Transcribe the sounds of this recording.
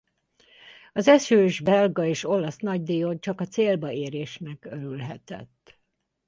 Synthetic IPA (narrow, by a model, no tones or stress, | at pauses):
ɒzɛʃøːʒbɛlɡɒeːʃo̞lɒsnɒɟd̪ijont͡ʃɒkɒt̪seːlbɒeːɾeːʃnɛkøɾylɦɛt̪ɛ̰t̪ː